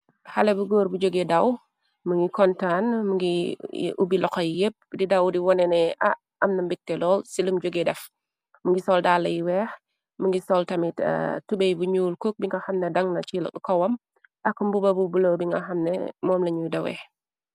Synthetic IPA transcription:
hɐlɛbuɡoːɾbud͡ʒoɡedɐw | məŋɡikɔntanmuŋɡḭʔubilɔkjjep̚ːdidɐwdiwɔnɛnɛʔɐ | ɐmnɐmbikːɛlɔːlsilumd͡ʒoɡedɛf | məŋɡisɔldaːlːɐjiwɛːx | məŋɡisɔltɐmittubejbuɲuːlkok̚biŋɡɐxɐmnɛdɐŋnɐt͡ʃil̰kkɔwɐm | ʔɐkːumbubɐbubulowbiŋɡɐxɐmnɛ̰mɔːmlɐɲujdɐwɛ̰

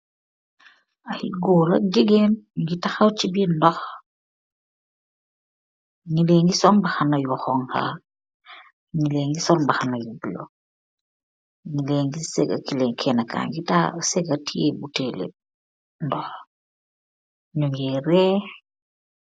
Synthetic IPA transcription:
ajḭɡoːɾɐɡiɡenŋɡitaxawt͡ʃibindɔx | ŋileːŋɡisɔnbaxanajuxɔŋha̰ | ŋileŋɡisɔnbaxanajubilo̰ | ŋileːŋɡisɛɡa̰kileŋkʰɛnaka̰ːŋɡitasɛɡatʰiebutelḛ | ndɔx | ɲuŋɛɾɛ

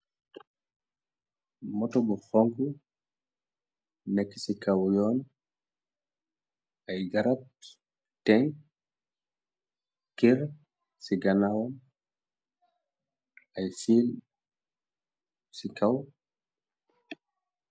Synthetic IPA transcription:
mɔtɔbɔhoŋku | ekːi̥sikawjɔn | ajɡaɾat̚ | tɛŋ | kiɾ | siɡanawɔn | ajsil | sikaw

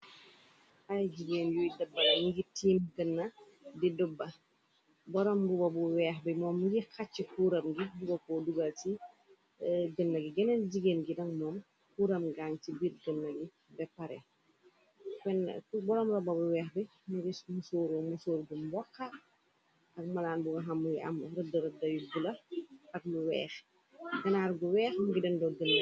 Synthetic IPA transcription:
ʔɐjd͡ʒiɡeːnjujdɐbːɐniɡitiːmɡənːɐ | didubːɐ | bɔɾɔmɡubɐbuwɛːxbimɔːmːɡixat͡ʃːəkuːɾɐmɡidubɐkɔːduɡɐlti | ɡənːɐɡiɡɛnɛnd͡ʒiɡeːnɡidɐŋmɔːm | kuːɾɐmɡaŋtibiɾɡənːɐɡi | bɛpɐɾɛ̰ | pɛnkubɔlɔːmrɔbɐbuwɛːxbi | muɡismusoːɾuːmusoːɾɡumbɔkːa | ɐk̚mɐlaːnbuŋɐɦɐmːuɡiʔɐ̰mɾədɐɾɐdɐjuɡulɐʔɐk̚luwɛ̰ːx | ɡɐnaːɾɡuwɛːxmuɡidɐndɔɡən

